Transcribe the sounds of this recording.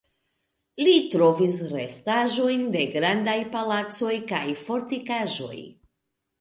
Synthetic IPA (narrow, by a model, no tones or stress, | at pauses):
litɾo̞visɾe̞̰staʒo̞jnde̞ɡɾandajpalat͡so̞jkajfo̞ɾtikaʒo̞̰j